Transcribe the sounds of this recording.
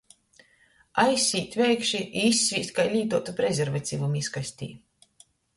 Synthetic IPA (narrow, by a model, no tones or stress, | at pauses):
ajsʲiːt̪ʲvʲɛjkʃiisʲːiːst̪kajlʲiːt̪uɔt̪upɾɛzʲɛɾvat̪siːvumiskajsʲt̪ʲḭː